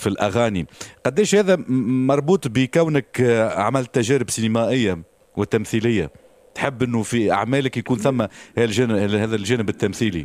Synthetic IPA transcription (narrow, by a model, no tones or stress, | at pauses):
filʔaɣæːniqɑd̪ːɛːʃhæːðæmɑɾˤbuːt̪ˤbəkæwnəkʕa̰mælt̪ːæʒæːɾɪbsinəmæʔɪjːa | wɪt̪ːæmθiːlɪjːa̰ | t̪ħɪbːʔɪnːufiʔa̰ʕmæːlɪkjkuːnθæmːæhʒæhæːðælʒæːnɪbɪt̪ːæmθiːlḭ